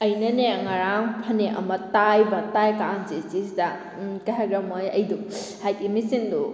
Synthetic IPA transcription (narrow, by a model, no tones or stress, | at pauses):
ɐjnɐneŋaɾaŋpʰɐneʔɐ̰mɐtajbɐtajkanzisisda | kaɦaɡɾɐmojɐ̰jdu | hajtimisindu